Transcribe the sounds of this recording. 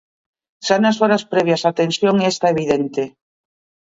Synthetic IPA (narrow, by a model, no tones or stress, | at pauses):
sanasoɾaspɾeβ̞jasat̪ensjoŋest̪aeβiðent̪e